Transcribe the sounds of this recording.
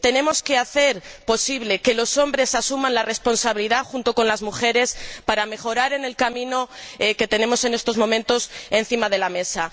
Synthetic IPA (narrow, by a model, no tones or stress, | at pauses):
t̪e̞nẽ̞mo̞ske̞aθe̞ɾpo̞siβle̞ke̞lo̞so̞mbɾe̞sasumãnlare̞spo̞nsaβiliðaxunt̪o̞ko̞nlazmuxe̞ɾe̞spaɾame̞xo̞ɾaɾe̞ne̞lkamĩno̞ke̞t̪e̞ne̞mo̞se̞ne̞st̪o̞zmõ̞mẽnt̪o̞se̞n̟θimaðe̞lame̞sa